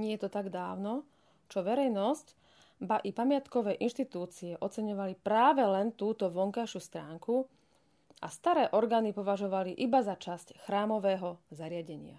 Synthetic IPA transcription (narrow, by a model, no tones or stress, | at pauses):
ɲɪɛjɛt̪ɔt̪aɡd̪aːʊnɔ | t͡ʃɔʋɛɾɛjnɔsc | baʔipamɪat̪kɔʋɛːʔinʃt̪it̪uːt͡siɛʔɔt͡sɛɲɔʋalipɾaːʋɛlɛnt̪uːt̪ɔʋɔŋkajʃuːst̪ɾaːŋku | ʔast̪aɾɛːʔɔɾɡaːnipɔʋaʒɔʋaliʔibazat͡ʃascxɾaːmɔʋɛːɦɔzaɾɪaɟɛɲɪa̰